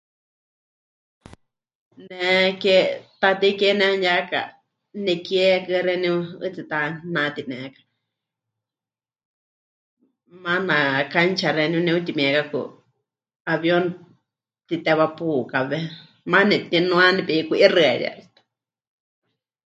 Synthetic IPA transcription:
nɛ̃ket̪at̪ikenɛ̃njaka̰ | nɛ̃kjɛkɨɾɛnĩuɨt͡sit̪anãt̪inɛ̃kḁ | mãnãkant͡ʃaɾɛnĩũnĩut̪̬imĩɛkakṵ | aβjon | t̪it̪ɛβapukaβɛ | mãnĩt̪inũanĩpiikʷiʔirɨɛɾḭa̰ɾit̪ḁ

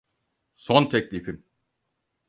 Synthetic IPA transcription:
sɔnt̪ʰɛclʲifim

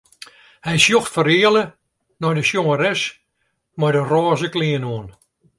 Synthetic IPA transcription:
hɛjsjoxtfəɾɪələ | nɔjdəsjoŋəɾɛs | mɔjdərɔːzəkliənoən

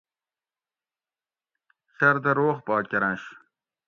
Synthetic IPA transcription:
sɐɾd̪ɐɾoːχpɑːkʲɐɾãɕ

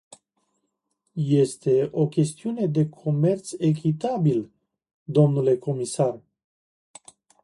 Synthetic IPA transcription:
je̞st̪e̞o̞kʲe̞st̪iune̞d̪e̞kʰo̞me̞rt̪se̞k̬ʲit̪abil | d̪o̞mnule̞ko̞misar

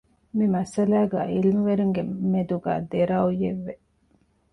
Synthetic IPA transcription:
mimɐsɐlæːɡæːilimuʋeɾuŋɡemed̪uɡæ̰ːd̪eɾaːujeʋːe

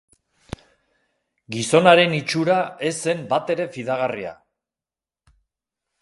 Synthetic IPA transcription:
ɡiso̞naɾe̞nit͡ʃuɾae̞sːe̞mbat̪e̞ɾe̞fiðaɣ̞aria̰

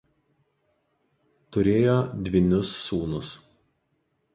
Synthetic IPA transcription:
t̪ʊɾʲeːjoːd̪ʲʋʲɪnʲʊsːuːnʊs

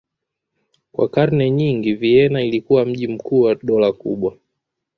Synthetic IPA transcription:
kwa̰kaɾnɛɲiŋɡiviɛnailikuwam̩ʄim̩kʰuːwaɗɔlakṵɓwa

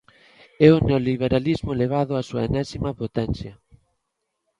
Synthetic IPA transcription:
ɛʊneoliβ̞eɾalizmʊleβ̞aðʊasuɐ̰enɛsimɐpot̪ɛnθjɐ

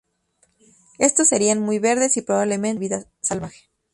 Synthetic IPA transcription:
e̞st̪o̞sːe̞ɾianmujβe̞ɾðe̞sipɾoβaβlemẽnβiðasalβaxe̥

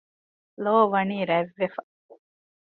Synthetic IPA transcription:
loːʋɐniːɾæʋːefɐ

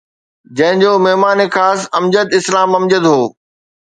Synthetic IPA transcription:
d͡ʑɐ̃ɦɪ̃d͡ʑoːmɛɦmaːnexaːsɐmd͡ʑəd̪ɪslaːmɐmd͡ʑəd̪ɦoː

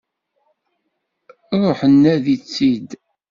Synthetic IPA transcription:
ɾˤoħənːæðit͡sːid̪

